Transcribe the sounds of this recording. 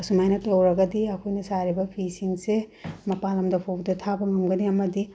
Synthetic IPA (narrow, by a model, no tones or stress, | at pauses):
ɐsumajnɐtɐwɾɐɡɐdiɐkʰojnɐsaɾibɐpʰisiŋsemɐpalɐmdɐpʰowdɐtʰabɐŋɐmɡɐniɐmɐdi